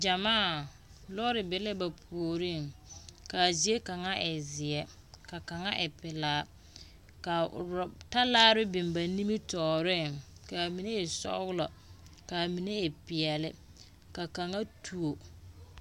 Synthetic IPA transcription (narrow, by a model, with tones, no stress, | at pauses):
d͡ʒa˨maː˦˨ | lɔ˦ɾɪ˨bɪ˨le˦ba˨pʰu˨o˨ɾi˦˨ŋka˨zi˨e˦ka˨ŋa˦ʔɛ˨zɪ˨ɛ˦ | ka˨ka˨ŋa˦ʔɪ˨pɪ˨laː˦ | ka˨ɾta˦laː˦ɾɪ˦bɪ˨mba˨ni˦mi˦tɔː˨ɾɪ˦˨ŋka˨mi˨ne˦e˨sɔ̰˦ɣlɔ˨ | ka˨mi˨ne˦ɪ˨pɪ˨ɛ˨lɪ˦ | ka˨ka˨ŋa˦tʰu˨o˨